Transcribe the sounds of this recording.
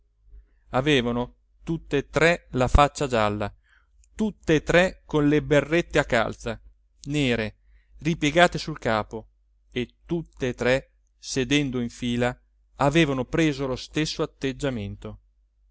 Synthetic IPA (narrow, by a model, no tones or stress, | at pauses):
aveːvano | t̪ut̪ːet̪ɾɛlafat͡ʃːad͡ʒalːa | t̪ut̪ːeːt̪ɾɛkonleberːet̪ːeakːa̰lt̪sa | neːɾe | ripjeɡaːt̪esulkaːpo | et̪ːut̪ːeːt̪ɾɛ | sed̪ɛnd̪oiɱfiːlaː | veːvanopɾeːzolost̪esːoat̪ːed͡ʒːament̪o